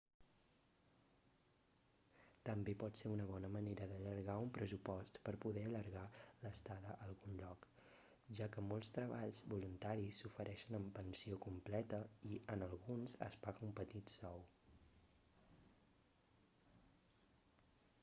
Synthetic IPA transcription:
t̪əmbepɔt̪seunəβ̞ɔnəməneɾəðəʎəɾɣaumpɾəzupɔst̪pəɾpuðɛəʎəɾɣaləst̪aðəʔəlˠɣunʎɔk | ʒakəmolˠst̪ɾəβ̞aʎzβulunt̪aɾisːufəɾʔɛʃənəmpənsiokumplɛt̪əiənəlˠɣunzə̰spaɣəumpət̪it̪sɔw

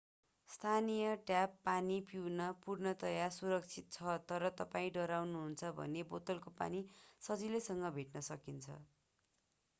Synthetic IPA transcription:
st̪ʰanijʌʈjapːanipiwnʌpurnʌt̪ʌjasuɾʌk̚t͡sʰit̪̚t͡sʰʌt̪ʌɾʌt̪ʌpaĩɖʌɾawnuɦunt͡sʰʌbʱʌ̰nebot̪ʌlkopa̰nisʌd͡zilesʌŋɡʌbʱeʈnʌsʌkint͡sʰʌ̰

